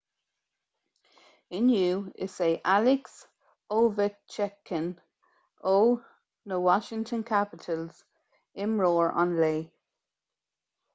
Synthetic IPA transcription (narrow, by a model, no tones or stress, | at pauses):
ɪnjuːɪ̰seːʔalɪks | oːvət͡ʃʰɛkʰːən | oː | nəwɔʃɪ̃ŋtʰə̃nkʰapɪtʰəlz̥ | ɪmɹɔːɹɔ̰̃nleː